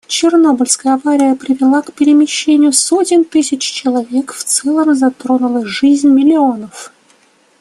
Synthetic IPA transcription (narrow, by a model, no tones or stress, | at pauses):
t͡ɕɪrno̞bəlʲskəjəɐvaɾʲɪjəpɾʲɪvʲɪlˠakpʲɪɾʲɪmʲɪɕːenʲɪjʊsotʲɪnt̪ɨsʲɪt͡ɕt͡ɕɪlˠɐvʲe̞kft̪sɛlˠəmzɐt̪ɾo̞nʊlˠɨxʐɨzʲnʲmʲɪlʲɪo̞nəf